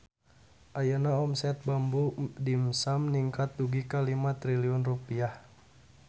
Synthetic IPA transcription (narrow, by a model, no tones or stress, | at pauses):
ʔajanaɔmsɛt̪̚bambudimsamniŋkat̪̚duɡikalimat̪ɾiliɔnrupiah